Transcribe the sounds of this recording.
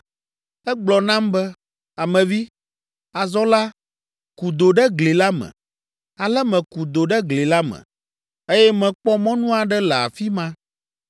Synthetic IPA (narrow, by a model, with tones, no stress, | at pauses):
ɛ˦ɡ͡blɔ˨nã˦mbɛ˦ | a˨mɛ̃˨vi˦ | a˨zɔ˦la˦ | ku˨d̪o˨ɖɛ˦ɡle˨la˦mɛ̰̃˨ | a˨lɛ˦mɛ̃˨ku˨d̪o˨ɖɛ˦ɡle˨la˦mɛ̰̃˨ | e˦jɛ˦mɛ̃˨k͡pɔ˦mɔ̃˦nũ˦a˨ɖɛ˦lɛ˨a̰˨fi˦mã˦